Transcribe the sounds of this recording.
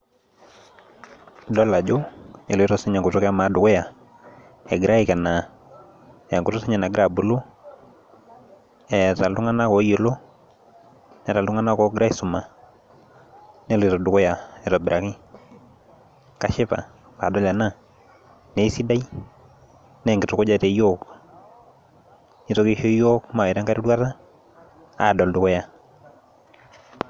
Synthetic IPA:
dɔ˦la˨d͡ʒo˦e˨le˦ɾo˦si˦ɲa˨ŋɡu˨tɔ˦kɛ˦a˦ma˨˦du˨kɔ˦ja˨ | ɛ˨ɡɪɾʔa˦i˨kɛ˨na˨ | ja˨ŋku˨to˦si˦ɲa˨na˨ɡɪɾa˦˨bu˨lo˦ | ɛ˨ta˨ltu˦ŋa˦na˦kɔ˨˦je˨lo˦ | n˦ɾa˨ltu˦ŋa˦na˦kɔ˨˦ɡɾa˦i˨su˨ma˨ | nɛ˦lɪ˨tɔ˨dʊ˨ko˦ja˨ɛ˨tɔ˨bɪ˨ɾʔa˨kɪ˦ | ka˨ʃɪ˦pa̰˨ | pa˨dɔ˦la˨na˦ | nɛ˨˦i˦si˦da˦i˦ | nɛ˦˨ŋɡɪ˨to˨ko˦d͡ʒa˦˨te˨˦jo˦k | i˦to˨ke˦ʃo˦jo˦kma˨ɛ˨ɾa˦ŋka˦ɾi˦dwa˦ta˦ | a˨dɔ˨ldʊ˨kɔ˦ja˨

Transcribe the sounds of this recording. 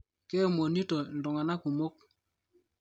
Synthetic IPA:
kɛ˦˨mo˨ni˦tɔ˨n˨dɔ˨ŋa˨na˦ku˨mo˦k̚

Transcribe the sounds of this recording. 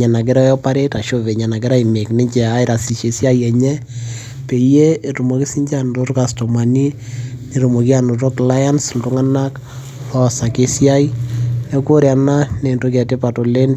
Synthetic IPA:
ɲa˨na˨k̬ɪ˦ɾɔ˦jɔ˦pa˦ɾe˦ta˨ʃo˦ve˨ɲa˨na˨kɪ˦ɾa˦i˨me˨knɪ˦ɲt͡ʃɛ˨a˦ɪɾa˨si˨ʃe˨sja˦jɛ˨ɲɛ˦ | pe˨je˦e˨tu˨mo˨kɪ˦si˦ɲd͡ʒa˦nto˦to˦ka˨sto˨ma˨ni˦ | ne˨ɾu˨mo˨ki˦a˨no˨to˦kla˦ja˦nsl̩tʊ˦ŋa˦na˦k | rɔ˦sa˨ke˦sja˦ine˦ko˦ɾja˨na˦ne˨nto˦kɛ˨te˦pa˨to˨le˦n

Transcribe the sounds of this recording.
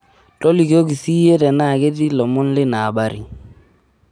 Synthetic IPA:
tɔ˦li˨ko˦k̬i˨si˦e˦tɛ˨na˦˨ke˦ti˦lɔ˨mɔ˦nlɪ˦naː˨ɓa˦ɾḭ˨

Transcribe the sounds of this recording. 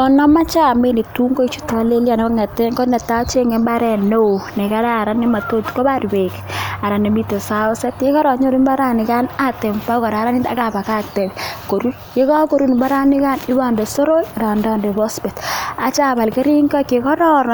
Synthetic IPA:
ɔ˨nɔ˦ma˦t͡ʃa˦˨me˦ne˨tu˦ŋɡo˦i˦t͡ʃu˦ta˦le˦lja˨ne˨a˦ŋɛ˨tɛ˦ŋɡo˦nɛ˨ta˦t͡ʃe˦ŋe˨mba˦ɾɛ˨no˦o˨nɛ˨ka˦ɾa˦a˨ɾa˦ne˦ma˨to˦tkɔ˦ba˦ɾbe˨ka˨ɾa˨ne˨mi˦te˨sa˦ʊ˦sɛ˦tke˦kɔ˦ɾɔ˨ɲo˦ɾi˦mba˦ɾa˦nɪ˨ka˦na˦tɛ˨mpa˦kɔ˨ɾa˨˦ɾa˦ni˦ta̰˦ka˨ba˨ka˦k̚tɛ˨bko˨ɾu˦ | ke˦ka˦ko˨ɾu˦n˨mba˦ɾa˦ni˦ka˦nɪ˦ba˨nde˨so˦ɾo˦˨ɾa˨ndɔ˦nde˨bɔ˦spɛ˨ta˨t͡ʃa˦ba˨lke˦ɾi˦ŋɡa˦ke˨kɔ˦ɾɔ˦ɾ

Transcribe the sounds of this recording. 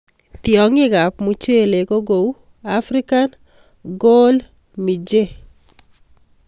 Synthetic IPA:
t̪jɔ˨ŋɪ˦ɡa˨pmu˨t͡ʃe˦le˨ɡo˦ɡo˨u˦ | afɾi˦ka˦n | ɡo˦l | mi˨d͡ʒe˦

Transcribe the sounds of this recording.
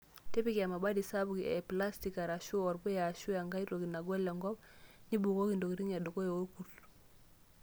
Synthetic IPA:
te˦pi˦ka˨ma˨ba˦di˨sa˦bu˨kie˨pla˦sti˨ka˨ɾa˨ʃu˦ɔ˨ɾbu˦ja˨ʃu˦ja˨ŋɡa˦jɾo˨ɡi˨na˨ɡo˦le˨ŋɡɔ˦bɲi˦bu˨ko˦ki˨ndo˨ki˨ɾi˦ŋa˨du˨ko˦jo˨wo˦ku˨ɾ

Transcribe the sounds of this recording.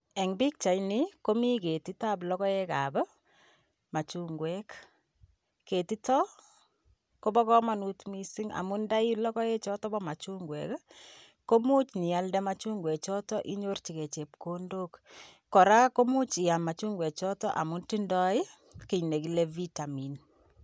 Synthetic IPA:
e˨ŋbi˦k̚t͡ʃa˨jniko˦mi˦ke˨ti˦ta˦plɔkɔ˦e˦ka˨b | ma˨t͡ʃuŋɡwɛk | ke˨ti˦tɔ˦ | ko˦bɔ˦kɔ˦ma˨nutmi˦si˦ŋa̰˨mʊ˦nda˦i˦lɔ˦kɔ˦e˦t͡ʃɔ˦tɔ˦bɔ˦ma˨t͡ʃu˦ŋɡwɛ̰˨k | ko˦mu˦t͡ʃɲi˨a˦ldɛ˦ma˦t͡ʃu˦ŋɡwɛ˨kt͡ʃɔ˦tɔ˦ʔi˦ɲo˦rt͡ʃi˨ke˨t͡ʃe˨p̚ko˦ndo˦kː | ɔ˨ɾa˦ko˦mu˦t͡ʃi˨a˨ma˨t͡ʃu˦ŋɡwɛ˨k̚t͡ʃɔ˦tɔ̰˦ʔa̰˨mu˦nti˦ndɔ˦ɪ˦ | ki˨ɲne˨ki˨le˦vi˦ta˨mi˨n

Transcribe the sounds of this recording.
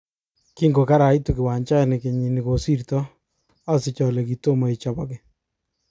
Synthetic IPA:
ki˦ŋɡo˨ka˦ɾa˨i˦tu˨kɪ˨wa˨ɲt͡ʃa˦ɛ˨nɪ˨ke˨ɲi˨ni˨ko˨si˦ɾtɔ˦ | a˦sɪ˨t͡ʃɔ˨lɛ˨ki˨to˦ma˨i˨t͡ʃa˨ba˨kɪ˦˨

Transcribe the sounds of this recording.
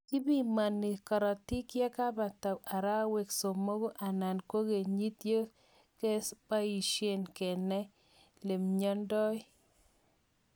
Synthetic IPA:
kɪ˦bi˦˨ma˨nːi˨kɔ˨ɾɔ˨ti˦kjɛ˦ka˦ba˨ta˨a˨ɾa˦we˨kso˨mo˦ɡo˦ʔa˨na˨nko˦ɡe˨ɲi˦t̪je˦ | ke˦spa˦i˨ʃe˦nke˨nɛ˦ | le˨mɲɔ˦ndɔ˦

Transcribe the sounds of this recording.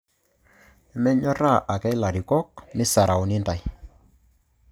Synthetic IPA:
ɛ˨mɛ˦ɲɔ˦ra˦˨ʔa˨kɛ˦jla˨ɾi˨kɔ˦k̚mɪ˦sa˨ɾa˨wnɪ˦nda˨j

